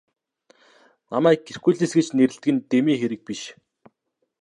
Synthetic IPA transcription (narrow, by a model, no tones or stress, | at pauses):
namæːk̚ɡerkuːɮeːsɡet͡ɕneɾɘ̆ɬt̪ɘɡɘ̆nt̪emiːxeɾɘ̆k̚piʃ